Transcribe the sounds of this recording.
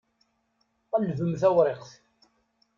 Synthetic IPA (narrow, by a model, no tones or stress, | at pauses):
ælvəmθæwɾˤeqθ